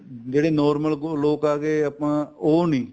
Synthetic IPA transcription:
d͡ʒeːɽeːnɔːɾməlloːkaːɡeːəpãːoːniː

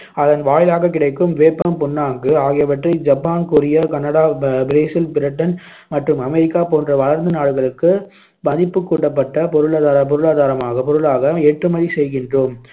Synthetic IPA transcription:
ɐðɐnʋaːjɪlaːɣɐkːɪɽɐɪkːɯmʋeːpːɐmpʊnːaːŋɡɯaːɣɪjɐʋɐʈrɐɪd͡ʒɐpːaːnkʊɾɪjɐkɐnɐɽaːbɪɾeːsɪlpɪɾɪʈːɐn | mɐʈrɯmɐmɛɾɪkːaːpoːndrɐʋɐɭɐɾnd̪ɯnaːɽɯɣɐɭɯkːɯ | mɐðɪpːɯkːuːʈːɐpːɐʈːɐpɔɾɯɭaːðaːɾɐp̬ɔɾɯɭaːðaːɾɐmaːɣɐpɔɾɯɭaːɣɐɛʈrɯmɐðisɛjɣɪndroːm

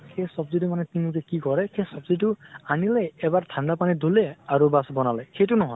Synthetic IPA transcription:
kʰesɔbzitumanet̪inluk̬ekikɔɾekʰesɔbziʈuanileːbaɾt̪ʰandapanid̪ʱuleaɾubasbɔnaleketunɔɦɔ̃

